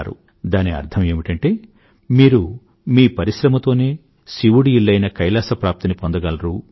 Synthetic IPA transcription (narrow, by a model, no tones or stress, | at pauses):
ɾṵ | d̪aːniɐ̰ɾt̪ʰɐme̞ːmiʈɐɳʈe̞ː | miːɾu | miːpɐɾiʃɾɐmɐt̪o̞ːne̞ː | siʋuɽiilːɐjnɐkɐjlaːsɐpɾaːp̚t̪inipond̪ɐɡɐlɐɾuː